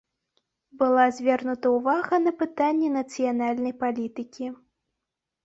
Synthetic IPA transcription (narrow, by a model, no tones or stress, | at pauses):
bɨlˠazʲvʲɛrnut̪ɐwvaɣɐnɐpɨt̪anʲːɛnɐt̪sɨjanalʲnɐjpalʲit̪ɨkʲi